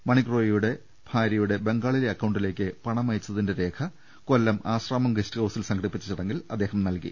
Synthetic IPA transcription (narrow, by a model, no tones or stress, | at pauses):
mɐɳiɡro̞ːjijuɽe̞ | bʱaːɾɐjuɽe̞be̞ŋɡaːɭileɐkːɐwɳɖile̞ːk̬ʲːɨpɐɳɐmɐjt͡ɕːɐðinde̞ɾe̞ːkʰɐ | ko̞lːɐmaːɕraːmɐmɡesʈɨɡɐwsilsɐŋɡʰʱɐɽipːit͡ɕːit͡ɕːiɽeŋɡilɐd̪ːe̞ːɦɐmnɐlkḭ